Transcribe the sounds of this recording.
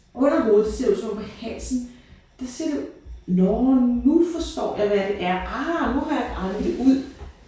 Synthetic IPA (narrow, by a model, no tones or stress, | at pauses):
ɒen̰ɐɦoːð̩ˠse̝ɐ̰jusɒ̽mpʰɒ̽hæn̰sn̩ | d̥ɑse̝ɐ̰d̥enɒnufɒsd̥ɒ̰ːjɑ̈ɪʋæɾ̥e̝ʔæɐɑnuɦɑ̈jäɪɡ̥ʁɑ̈nð̩ˠd̥e̝ʔuð̰ˠ